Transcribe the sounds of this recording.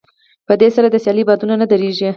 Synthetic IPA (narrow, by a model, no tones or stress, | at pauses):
pəd̪esaɾad̪əsjɑlibɑd̪unanad̪əɾeʒi